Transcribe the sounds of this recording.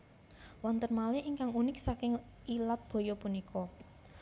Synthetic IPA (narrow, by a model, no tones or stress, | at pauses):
want̪ənmaleiŋkaŋunɪk̚sakɪŋ | ilat̪̚b̥o̤jɔpunikʰɔ